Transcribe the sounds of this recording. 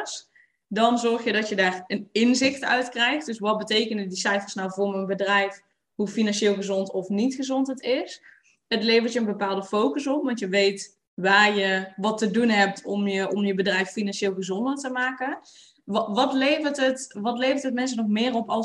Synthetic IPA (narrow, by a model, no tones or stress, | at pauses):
s | dɔnzɔrxjədɔtjədaːrənɪnzɪxtœ̰ɥtkrɛjxt̚dɵsʋɑt̚bətejkənədisɛjfərsnawvʊːɹmənbədrɛjf | ɦufinɑnʃeːlˠɣəzɔntɔfnitxəzɔntɦətɪs | ətleːvərtjənbəpaːlˠdəfowkəsɔpʋɑntjəʋejt | ʋaːrjəʋɑtːədunɦɛp̚tʰɔmjəɔmjəbədrɛjfːinɑnʃeːlˠɣəzɔndərtəmaːkən | ʋɑtlejvərtətʋɑtlejvəɹtɦətmɛns̬ənɔχmɪːrɔpɑ